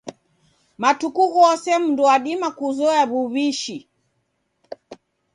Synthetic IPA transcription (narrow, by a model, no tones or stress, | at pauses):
matukuɣɔɔsɛmundɔwaɗimakuzɔaβuβiʃi